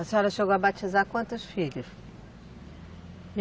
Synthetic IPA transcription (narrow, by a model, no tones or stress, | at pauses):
ɐseɔɾɐʃeɣabajʃɐzakwɐ̃nt̪ɐʃfiʎɐʃ